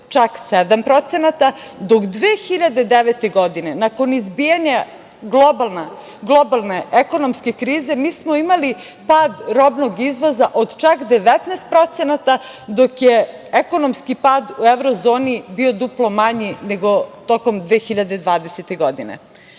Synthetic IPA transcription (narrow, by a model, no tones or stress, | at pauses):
t͡ʃaksed̪ampɾot̪senat̪ad̪okd̪ʋeːxiʎad̪e̞d̪eʋet̪e̞ɡo̞d̪ine̞nako̞nizbijaɲa | ɡlobalˠna | ɡlˠobalˠneeko̞nomske̞kɾiːze̞miːsmoimali | paːd̪ɾobnoɡizʋo̞zaʔod̪t͡ʃakd̪e̞ʋet̪neːst̪̚pɾo̞t̪senat̪ad̪okjeeko̞no̞mskipaːd̪ueʋɾozo̞ːnibio̞d̪uplˠo̞maɲine̞ɡo̞t̪oko̞md̪ʋeːxiʎad̪e̞d̪ʋaːd̪eset̪e̞ɡo̞d̪ine̞̰